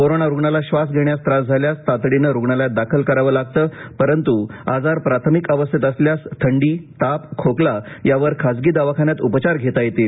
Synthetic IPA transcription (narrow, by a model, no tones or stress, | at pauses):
koɾonaɾuɡɳalaɕʋas̬ɡʱeɳjast̪ɾasd͡zʱaljast̪at̪ɽinəɾuɡɳaljad̪akʰəlkəɾaʋəːlaɡ̚t̪əːpəɾənt̪uad͡zaɾpɾat̪ʰəmikəʋəst̪ʰit̪əsljast̪ʰəɳɖiːt̪apkʰoklajaʋəɾkʰad͡zɡiːd̪aʋakʰanjat̪upət͡ɕaɾɡʱet̪ajet̪i